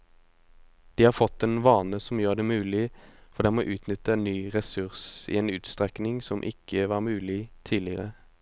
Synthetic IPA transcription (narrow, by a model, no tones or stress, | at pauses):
d̪̥iːhɑːfɔt̪ːeːnʋɑːnəsɔmjøːd̪ɛːmʉːlɪfɔʁd̪ɛːmoːʔʉːt̪nʏt̪ənyːʁɛsʉʁsḭːeːnʉːt̪st̪ʁɛknɪŋsɔmʔɪ̰kʰːəʋɑːʁmʉːlɪt̪ʰiːlɪəʁə̰